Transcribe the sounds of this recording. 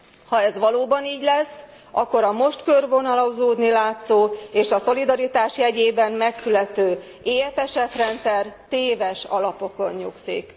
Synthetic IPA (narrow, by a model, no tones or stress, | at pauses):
hɒɛzʋɒloːbɒniːɟlɛs | ɒkːo̞ɾɒmo̞ʃt̪kørvo̞nɒlɒuzoːd̪nilaːt̪soːeːʃɒso̞lid̪ɒɾit̪aːʃjɛɟeːbɛmmɛksylɛt̪øː | eːɛfɛʃɛfrɛnt̪sɛrt̪eːvɛʃɒ̰lɒpo̞ko̞nɲuksḭk